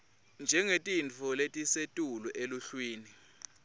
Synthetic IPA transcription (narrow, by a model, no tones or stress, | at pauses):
nd͡ʒʱɛŋetʼint͡fʰɔletʼisetʼuluʔeluɬwiːni